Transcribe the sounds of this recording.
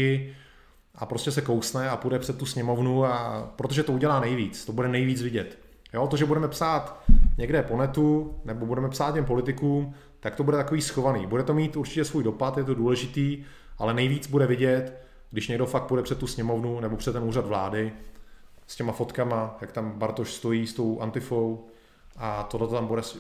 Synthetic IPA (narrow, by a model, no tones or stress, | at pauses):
ɪ | ʔa̰pɾoscɛsɛkowsnɛapudɛpr̥ɛt̪tːusɲɛmo̞vnuapɾot̪o̞ʒɛt̪ouɟɛlaːnɛjviːt͡st̪o̞budɛnɛjviːt͡svɪɟɛt̪ | jo̞t̪oʒɛbudɛmɛpsaːt̪ɲɛɡdɛpo̞nɛt̪unɛbobudɛmɛpsaːt̪̚cɛmpo̞lɪt̪ɪkuːm | t̪akt̪obudɛt̪akoviːsxo̞vanḭːbudɛt̪o̞miːt̪uɾt͡ʃɪ̥cɛsvuːjdo̞pat̪jɛt̪̬oduːlɛʒɪt̪iː | ʔalɛnɛjviːt͡sbudɛvɪɟɛt̪ | ɡdɪʃɲɛɡdo̞fak̚pudɛpr̥ɛt̪ːusɲɛmo̞vnunɛbopr̝̥ɛt̪ːɛnuːrad̪vlaːdɪ | scɛmafo̞t̪kamajakt̪ambaɾt̪oʃst̪o̞jiːst̪o̞wʔa̰nt̪ɪfow | ʔat̪odlɛt̪ot̪ambudɛs